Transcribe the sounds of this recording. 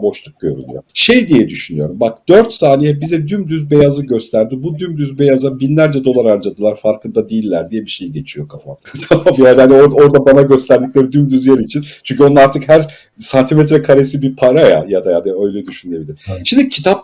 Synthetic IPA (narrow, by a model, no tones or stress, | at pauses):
bo̞ʃlˠuk̚ɟø̰ɾy̰lʲˠy̰joʃejd̪ijɛd̪yʃynyjo̞ɾumbak̚d̪̥ø̞ɾt̪saːnijɛbizɛd̪ymd̪yzbe̞jazɯɟø̞st̪ʰæɾd̪ibud̪ymd̪yzbe̞jazabinlʲæɾd͡ʒɛd̪o̞lˠaɾaɾd͡ʒad̪ɯlˠaɾfaɾkɯnd̪ad̪ijilʲːæɾd̪ijɛbiʃe̞jiɟe̞t͡ʃʰijo̞kʰafamt̪ʰamambjad̪hanioɾo̞ɾd̪abanaɟø̞st̪ʰæɾd̪iclʲe̞ɾid̪ymd̪yzjaɾiːt͡ʃʰint͡ʃʰyɲc̬ʰʲyonaɾt̪ʰɯkhæɾ | sant̪ʰimet̪ɾɛkʰaɾesibipʰaɾaja̰jad̪ajad̪aø̞jlʲɛd̪yʃynebilʲiɾʃimd̪icʰit̪ʰap̚